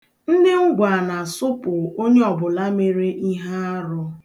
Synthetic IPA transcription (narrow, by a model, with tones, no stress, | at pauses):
n̩˦dɪ˦ŋ̩˦ɡʷa˨na˨sʊ˦pʊ˨o˦ɲe˦ɔ˨bʊ˨la˦me˦ɾe˦ʔi˦ɦa˦a˦ɾʊ˦